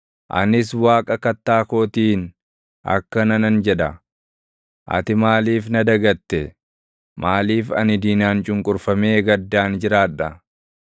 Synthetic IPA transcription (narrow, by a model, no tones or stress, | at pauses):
ʔɐ̰nɪs̬waːkʼɐkɐt̪ːaːkoːt̪iːn | ʔɐ̰kːɐnɐnɐnd͡ʒɛᶑɐ̰ | ʔɐ̰t̪ɪmaːliːfnɐd̪ɐɡɐt̪ːɛ | maːliːfɐnɪd̪iːnaːnt͡ʃʼʊŋkʼʊɾfɐmeːɡɐd̪ːaːnd͡ʒɪɾaːᶑɐ